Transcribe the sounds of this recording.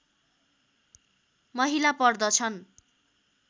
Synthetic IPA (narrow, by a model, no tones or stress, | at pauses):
mʌɦilapʌrd̪ʌt͡sʰʌn